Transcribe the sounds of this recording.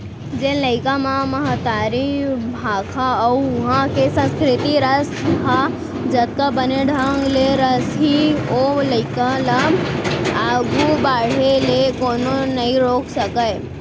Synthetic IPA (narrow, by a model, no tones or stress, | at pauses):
d͡ʒeləɪkãmãmɐɦət̪ːaːɾibʱaːkʰaʊɦãkesə̃nskɾɪt̪iɾəsbʱa | d͡ʒɐt̪̚kabəneɖʱãŋɡleɾəsɦioləɪkãla | aːɡubaːɽ̤elekoːnonɐɦĩɾoːkʰsəkəj